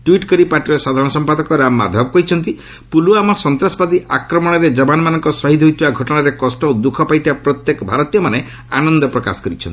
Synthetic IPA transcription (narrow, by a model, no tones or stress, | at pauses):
ʈuiʈkɔɾipaɾʈiɾɔsad̪ʱaɾɔɽ̃ɔsɔmpad̪ɔkɔɾamːa̰d̪ʱabɔkɔɾit͡ʃʰɔnt̪i | puluamɔsɔnt̪ɾasɔbad̪iʔakɾɔmɔɽ̃ɔɾed͡ʒɔbanɔmanɔŋkɔsɔɦid̪ʰʱɦujt̪ʰibaɡʱɔʈɔɽ̃aɾekɔsʈɔod̪ukʰɔpajt̪ʰibapɾɔt̪jekɔbʱaɾɔt̪ijɔmane | anɔnd̪ɔpɾɔka̰sɔ̥kɔɾit͡ʃʰɔnt̪i